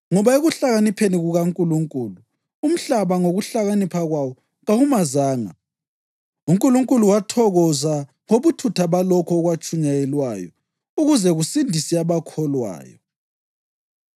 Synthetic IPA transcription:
ŋɔβaeɣuɬaɣanipʰeniɣuɣaŋkʼuluŋkʼuːlu | um̩ɬaβaŋoɣuɬaɣanipʰaɣwawɔ | ɣaɣumazaːŋa̰ | uŋkʼuluŋkʼuluwatʰɔɣɔza | ŋoβutʰutʰaβalɔkʰɔːɣwat͡ʃʰʼuɲajɛlwa̰ːjɔ̰ | uɣuzɛɣusindʱisiaβakʰɔlwa̰ːjɔ

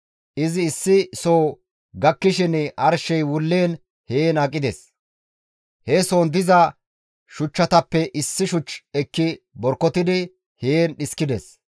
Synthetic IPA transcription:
ʔɪzɪːsːɪsoː | ɡɐkːɪʃɪnɐɾʃɛjwʊlːeːn | heːnɐkʼːɪd̪ɛ̰s | hɛsoːnd̪ɪzɐ | ʃʊt͡ʃːɐt̪ɐpːɛʔɪsːɪʃʊt͡ʃːɛkːɪ | bɔɾkːɔt̪ɪd̪ɪ | heːnɗɪskɪd̪ɛs

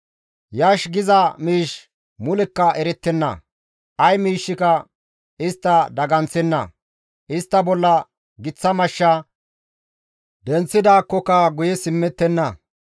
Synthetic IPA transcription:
jɐːʃɡɪzɐmiːʃ | mʊlɛkːɐʔɛɾɛt̪ːɛnːɐ̰ | ʔɐjmiːʃːɪkɐ | ɪst̪ːɐd̪ɐɡɐnt͡sːɛnːɐ̰ | ʔɪst̪ːɐbɔlːɐ | ɡɪt͡sːɐmɐʃːɐ | d̪ɛnt͡sːɪd̪aːkːɔkɐɡʊjɛsɪmːɛt̪ːɛnːɐ

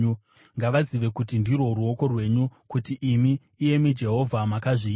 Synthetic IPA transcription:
ŋɡaʋaziʋe̞kut̬indirwo̞ruo̞ko̞rwe̞ɲukutiʔːmiː | je̞mid͡ʒe̞ɦo̞vʱamakaʐiː

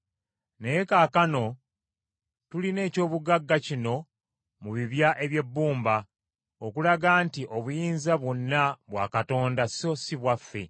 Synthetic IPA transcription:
nejekaːkano̞ | tuline̞ːco̞ːβuɡaɡːacino̞ | muβiβjaʔe̞βje̞bːuːmba | okulaɡaːntiʔo̞βujiːnzaβwonːaβwaːkato̞ːndaso̞siβwafːe̞̰

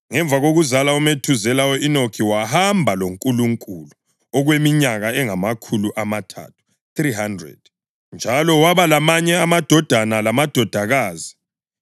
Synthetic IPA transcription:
ŋɛɱvʱaɣoɣuzalaumetʰuzɛlawɔinokʰiwahambʱaloŋkʼuluŋkʼulu | ɔɣwemiɲaɣaɛŋamakʰuluʔamatʰa̰tʰu̥ | triɦandrɛ̰d̥̚ | nd͡ʒʱalɔwaβalamaɲɛamad̥ʱɔd̥ʱanalamad̥ʱɔd̥ʱaɣaːzi

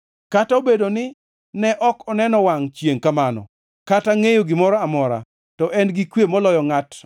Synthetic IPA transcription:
kataobedonɪ | nɛʔɔkɔnɛnɔwaŋt͡ʃjeŋkamanɔ̰ | kataŋejoɡɪmɔɾɔamɔɾa̰ | tɔʔɛnɡɪkwjemɔlɔjɔŋat

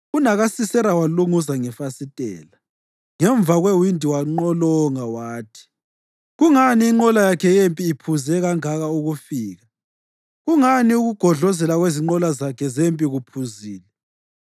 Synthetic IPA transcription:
unaɣasisɛɾawaluŋuzaŋɛfasitʼɛ̰ːla | ŋɛɱvaɣwewindʱiwaŋ͡ǃɔlɔŋawaːtʰi̥ | ɣuŋaniːŋ͡ǃɔlajakʰɛjempʼiːpʰuzɛɣaŋaɣauɣufiːɣa | ɣuŋaniuɣuɡ̥ʱɔɮɔzɛlaɣweziŋ͡ǃɔlazakʰɛzempʼiɣupʰuziːlɛ

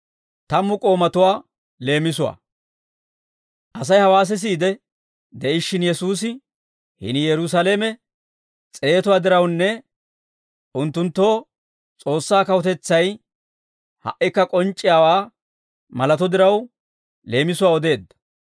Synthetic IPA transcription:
t̪ɐmːʊkʼo̞ːmɐt̪ʊwaː | le̞ːmɪs̬ʊwa̰ː | ʔɐsɐjhɐwaːs̬ɛs̬iːd̪ɛ | d̪ɛʔɪʃːɪnjɛsuːs̬ɪ | hɪ̰nɪjɛɾʊs̬aleːmɛ | t͡sʼe̞ːt̪ʊwaːd̪ɪɾɐwnːɛ | ʔʊnt̪ːʊnt̪ːo̞ː | t͡sʼo̞ːsːaːkɐwɔt̪ɛt͡sːɐj | hɐ̰ʔɪkːɐkʼɔnt͡ʃʼːɪjaːwaː | mɐlɐt̪ɔd̪ɪɾɐw | le̞ːmɪsʊwaːɔd̪e̞ːd̪ːɐ̥

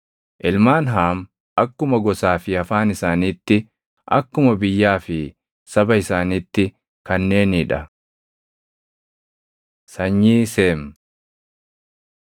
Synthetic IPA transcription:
ʔɪlmaːnɦaːm | ʔɐkːʊmɐɡɔsaːfɪɐfaːnɪsaːniːt̪ːɪ | ʔɐ̰kːʊmɐbɪjːaːfɪ | sɐbɐɪsaːniːt̪ːɪ | kɐnːe̞ːnɪᶑɐ | sɐɲːiːseːm

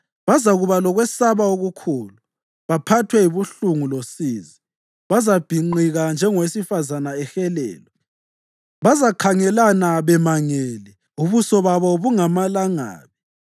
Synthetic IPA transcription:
βazaɣuβalɔɣwɛsaβaoɣukʰuːlu | βapʰatʰwɛiβuɬuŋulosiːzi | βazab̥ʱiŋ͡ǃiɣand͡ʒʱɛŋɔwesifazanaɛxɛlɛ̰ːlɔ | βazakʰaŋɛlanaβɛmaŋɛːlɛ | uβusɔβaβɔβuŋamalaŋa̰ːβi

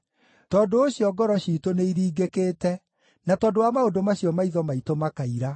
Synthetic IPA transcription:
tɔːndoːɕjɔɡɔɾɔʃiːtoneiɾiːɡekeːtɛ | natɔːdoamaodomaɕjɔmaiðɔmaitomakaiɾa

